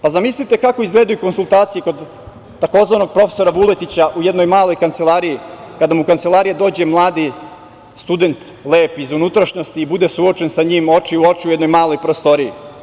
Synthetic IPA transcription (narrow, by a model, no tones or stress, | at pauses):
pazamislit̪ekako̞izɡle̞ːd̪ujuko̞nsulˠt̪aːt̪sijeko̞d̪ː | ako̞zʋano̞ɡ̚pɾo̞feso̞ɾaʋule̞t̪it͡ɕaʔujed̪no̞jmaːlo̞jkant̪se̞lˠaːɾijikad̪amukant̪se̞lˠaɾijed̪o̞ːd͡ʑe̞mlˠaːd̪i | st̪ud̪e̞nt̪lˠeːpizunut̪ɾaʃɲost̪iːbud̪e̞suo̞t͡ʃe̞nsaɲiːmo̞t͡ʃiuo̞t͡ʃiuje̞d̪nojmaːlo̞jpɾost̪o̞ɾii